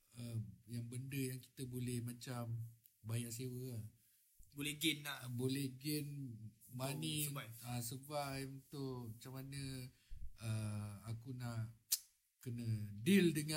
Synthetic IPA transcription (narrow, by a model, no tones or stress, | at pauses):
əjaŋbəndəjaŋki̥t̪əbolɛhmat͡ʃam | bajaʔsewə | bolɛɡɛnabolɛhɡɛnmaniasəbaʔmənt̪ʊʔmat͡ʃamanə | əakunaʔ | kənədɪldəŋã